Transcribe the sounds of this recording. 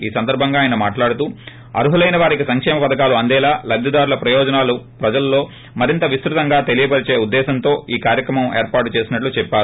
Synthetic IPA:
iːsɐnd̪ɐɾbʱɐŋɡaːjɐnɐmaːʈlaːɽut̪uː | ɐ̰ɾuɦulɐjnɐʋaːɾikisɐŋkʂɛːmɐpɐd̪ɐkaːluɐnd̪ɛːlaːlɐb̪ʱjɐd̪aːɾulɐpɾɐjɔːd͡ʒɐnaːlupɾɐd͡ʒɐlɐlːo̞ː | mɐɾint̪ɐʋist̪ɾut̪ɐŋɡaːt̪e̞lijɐbɐɾit͡ʃeːud̪ːɛːsɐnt̪o̞ːiːkaːɾjɐkɾɐmɐmeːɾpaːʈut͡ʃe̞ːsinɐʈlut͡ʃɛpːaː

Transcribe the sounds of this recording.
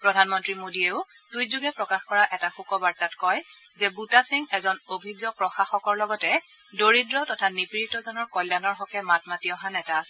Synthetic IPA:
pɹɔdʱanmɔntɹimodieʊ | tujzuɡɛpɹɔkaxkɔɹaʔɛtaxukɔbaɹtatkɔj | zɛbutasiŋɛzɔnobʱiɡjɔpɹɔxaxɔkɔɹlɔɡɔtɛ | doɹidɹɔtɔtʰanipɹitɔzɔnɔɹkɔljanɔɹɦɔkɛmatmatiɔɦanɛtaːsɛ

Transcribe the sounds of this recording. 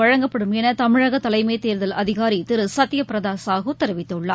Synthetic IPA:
ɐɻɐŋɡɐpːɐɽɯmɛnɐt̪ɐmɪɻɐɣɐt̪ːɐlɐɪmeːt̪eːɾðɐlʔɐðɪɣaːɾit̪ɪɾɯsɐt̪ːɪjɐpɪɾɐðaːsaːɣɐot̪ɪɾɐʋɪt̪ːɐɯɭːɐ̰ː

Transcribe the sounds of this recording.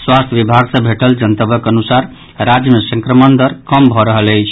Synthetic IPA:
swast̪ʰjbibʱaɡsə̃bʱeʈəld͡ʒənt̪əbəkənusaɾ | ɾad͡ʒjəmesə̃ŋkɾəmənd̪əɾkəmbʱɔɾəɦələjt͡ʃʰ

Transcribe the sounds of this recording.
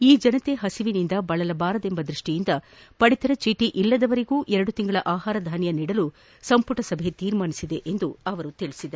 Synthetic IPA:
iːd͡ʒɐnɐt̪e̞ɦɐsiʋinind̪ɐbɐɭɐlɐbaːɾɐd̪e̞mbɐd̪ɾiʂʈijind̪ɐ | pɐɽit̪ɐɾɐt͡ʃiʈiʔilːɐd̪ɐʋɐɾeɡuːʔɛɾɐɽut̪iŋɡɐɭɐʔaːɦaːɾɐd̪ʱaːnjɐniːɽɐlu | sɐmpuʈɐsɐbʱe̞t̪iːɾmaːnisid̪e̞ʔend̪uɐʋɐɾut̪iɭisid̪ɐɾ

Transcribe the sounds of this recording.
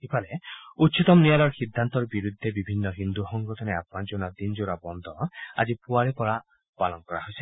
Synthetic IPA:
kipʰaleut̪t͡ʃit̪ɔmnijalɔɾxid̪ʱːant̪ɔɾɔbiɾud̪ʱːebibʱinːɔɦind̪uxɔŋɡɔt̪ɔneapmad͡ʒonad̪ind͡ʒoɾabɔnd̪ʱɔa̰d͡ʒipuaɭipɔɾa | palɔnkɔɾaɦojsi̥

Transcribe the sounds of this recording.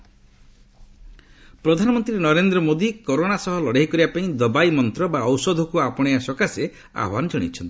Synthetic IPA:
pɾɔd̪ʱanɔmɔnt̪ɾinɔɾend̪ɾɔmod̪ikoɾoɽasɔɦɔlɔɽaɦikɔɾibapaĩd̪ɔbajmɔnt̪ɾɔbaɔwsɔd̪ʱɔkuapɔɽ̃ejasɔkase | a̰ɦbanɔd͡ʒɔɽ̃ḭt͡ʃʰɔnt̪i

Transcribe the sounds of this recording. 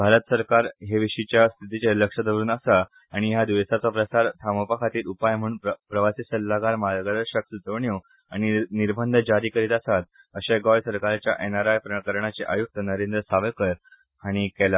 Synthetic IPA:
bʱaɾət̪əsəɾkaɾɦeʋiɕit͡ɕjast̪ʰit̪it͡ɕeləkʂəd̪əʋɾuːnəsa | aɽ̃ijad̪iʋəsat͡sapɾəsaɾt̪ʰamopakʰat̪iːlupajm̤əɽuːnpɾəʋasiːsəlːaɡaɾmalɡəd̪əɾɕək̚sut̪əɳju | aɽ̃iniɾbʱənd̪ʱd͡ʑaɾiːkəɾiːt̪asat̪̚ | əɕeɡɔjsəɾkaɾt͡ɕja̰ʔenaɾajpɾəkəɾɳat͡seʔajuk̚t̪ənəɾend̪ɾəsaʋəkəɾ | aɽ̃ikela

